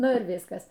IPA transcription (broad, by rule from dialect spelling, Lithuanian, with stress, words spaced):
ˈnʊ ɪr ˈʋʲɪskɐs